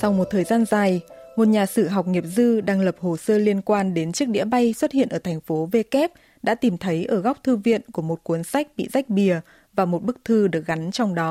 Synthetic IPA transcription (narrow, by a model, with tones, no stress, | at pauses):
sa˧wmo˨˩t̚t̪ʰəː˨˩jzaː˧nzaː˨˩jmo˨˩t̚ɲaː˨˩sɨ˧˩ɦa˨˩wk͡p̚ŋi˨˩əp̚zɨ˧ɗaː˧ŋlə˨˩p̚ho˨˩səː˧li˧ənkwaː˧nɗe˨˦nt͡ɕɨ˦˥ək̚ɗḭ˧˥əɓa˧jswə˦˥t̚hḭ˧˨ənʔəː˧˩t̪ʰŋ̟fo˨˦ve˧kɛ˦˥p̚ | ɗa̰ː˧˥t̪i˨˩mt̪ʰə˨˦jʔəː˧˩ɣa˦˥wk͡p̚t̪ʰɨ˧vḭ˧˨ənku˧˩əmo˨˩t̚ku˨˦ənsa˦˥jk̟̚ɓḭ˧˨za˦˥jk̟̚ɓi˨˩ə | vaː˨˩mo˨˩t̚ɓɨ˦˥k̚t̪ʰɨ˧ɗɨ˨˩ək̚ɣa˨˦nt͡ɕɔ˧wŋ͡mɗɔ˨˦